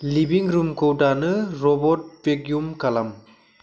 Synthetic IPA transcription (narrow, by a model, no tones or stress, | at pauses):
libiŋɾumkowdanɯɾɔbɔt̚pekjumkalam